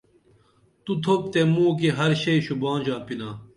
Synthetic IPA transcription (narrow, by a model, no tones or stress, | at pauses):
t̪ut̪ʰop̚t̪emuːk̬iɦɐɾɕɐjɕubãːnd͡ʑãːpinaː